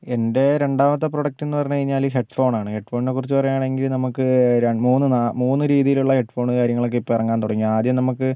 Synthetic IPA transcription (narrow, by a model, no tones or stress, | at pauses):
e̞nde̞ɾe̞ɳɖaːmɐt̪̬ːeproɽɐk̚ʈːenːɨpɐrɐɲːukɐɻiɲːaːliɦeʈfo̞ːɳaːɳɨheʈfo̞ːɳine̞kurit͡ɕːɨpɐrɐjaːɳe̞ŋɡilnɐmukːɨɾemuːnːɨnamuːnːɨɾiːðijiluɭːɐhe̞ʈfo̞ːɳɨkaːɾjɐŋːɐɭokːeipːoirɐŋɡaːnt̪oɽɐŋːiaːd̪jɐmnɐmukːɨ